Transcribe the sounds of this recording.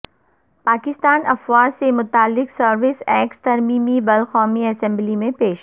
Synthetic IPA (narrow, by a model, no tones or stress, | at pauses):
paːkɪst̪aːnɐfwaːd͡ʒsemʊt̪aːlːɪksɐɾʋɪsɛːkst̪ɐɾmiːmibɐlxɔːmiɐsɛ̃mblimẽpeːʃ